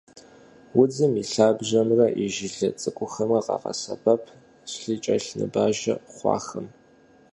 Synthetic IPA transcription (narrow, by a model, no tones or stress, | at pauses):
wʊd͡zɨmiɬaːbʒɐmrɐʔiʒɪɮɐt͡sʼɨkʷʼʊxɐmɐqɑ̰qɐ̰sɐ̰bʰɐpʰ | sɬiːt͡ʃʼɐɬnɨ̰baːʒɐ̰χʷɑ̰ːxɐm